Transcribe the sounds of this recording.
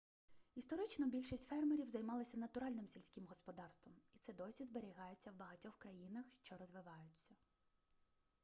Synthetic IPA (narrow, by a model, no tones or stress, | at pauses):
ist̪ɔɾɪt͡ʃnɔbʲilʲʃisʲtʲfɛrmeɾʲiwzɐjmɑlˠɪsʲɐnɐt̪ʊɾɑlʲnɪmsʲilʲsʲkʲɪmɦɔspɔd̪ɑrst̪ʋɔmit̪sɛd̪ɔsʲizbeɾʲiɦɑjet͡sʲːɐwbɐɦɐtʲɔxkɾɐjinɐxʃt͡ʃɔɾɔzʋɪʋɑjʊt͡sʲːɐ